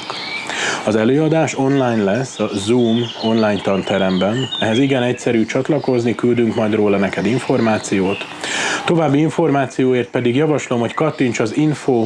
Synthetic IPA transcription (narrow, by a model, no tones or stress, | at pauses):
ɒzɛløːɒd̪aːʃo̞nlaːjnlɛsːɒzuːmo̞nlaːɲt̪ɒnt̪ɛɾɛmbɛnɛɦɛziɡɛnɛcsɛɾyːt͡ʃɒt̪lɒko̞znikyld̪yŋkmɒjd̪roːlɒnɛkɛd̪iɱfo̞rmaːt̪sijoːt̪ | t̪o̞vaːbːiiɱfo̞rmaːt̪sijoːeːrt̪̚pɛd̪iɡjɒvɒʃlo̞mho̞ckɒt̪ːint͡ʃɒzinfoː